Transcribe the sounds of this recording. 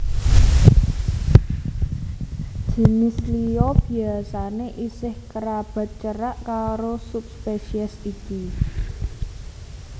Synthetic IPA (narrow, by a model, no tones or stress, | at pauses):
ʒ̥e̤nɪsliob̥i̤asaneʔisɪhkəɾab̥a̤t̪̚t͡ʃəɾaʔkaɾosup̚speʃiəsiki